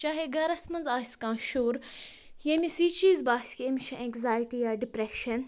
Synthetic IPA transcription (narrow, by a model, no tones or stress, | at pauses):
t͡ʃaːɦeɡɐɾɐsmɐnzaːsʲt̪kãːʃuːɾ | jɐmisiːt͡ʃiːzbaːskiɐmʲʃʰɐʔɛ̃ːkzaːjʈijaːɖipɾeʃɐn